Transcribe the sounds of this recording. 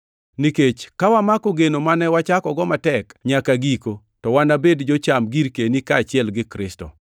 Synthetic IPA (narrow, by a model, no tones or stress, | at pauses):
niket͡ʃkawamakoɡenomanɛwat͡ʃakɔɡɔmatɛkɲakaɡiko | tɔwanabedd͡ʒot͡ʃamɡiɾkenikaːt͡ʃɪɛlɡɪkɾɪstɔ̰